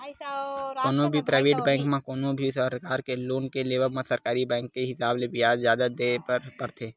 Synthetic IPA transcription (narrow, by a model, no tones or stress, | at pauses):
koːnõbʱipɾaːɪʋeːʈbɛ̃ːŋkmãkoːnõbʱisəɾkaːɾkeloːnkeleːʋəɾmãsəɾkaːɾibɛ̃ːŋkːeɦɪsaːblebɪjaːzzjaːd̪ad̪epəɾt̪ʰeː